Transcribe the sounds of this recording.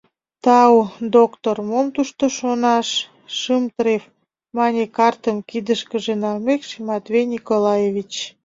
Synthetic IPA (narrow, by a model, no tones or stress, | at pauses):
t̪ɑwd̪okt̪ormomt̪uʃt̪oʃonɑʃː | ɨmt̪ɾef | mɑnʲekɑrt̪əmkid̪əʃkəʒenɑlmekʃimɑt̪vejnʲikolɑjevit͡ɕ